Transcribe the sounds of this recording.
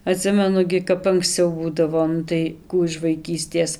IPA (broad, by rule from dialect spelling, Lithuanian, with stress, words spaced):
ɐˈtʲsʲɪmʲɛnʊ ɡʲɪ kɐp ɐŋksʲˈt͡sʲɛʊ ˈbuːdɐʋoː ˈnʊ tɐɪ ˈkuː ɪʃ ʋɐɪˈkʲiːsʲtʲeːs